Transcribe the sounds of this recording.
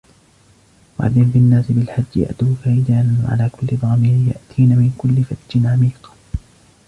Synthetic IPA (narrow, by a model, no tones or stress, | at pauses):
wa̰ʕa̰d̪ːɪmbɪnːaːsɪbɪlħad͡ʒːja̰ʔt̪uːfajd̪aːnanwa̰ʕa̰laːkʊlːɪd̪ˤɑːmɪɾɪja̰ʔt̪ʰiːnamɪnkʊlːɪfat̪d͡ʒɪnʕamiːq